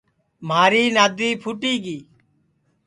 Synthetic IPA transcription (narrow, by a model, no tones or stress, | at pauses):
maːɾiːnaːd̪iːpʰʊʈiːɡiː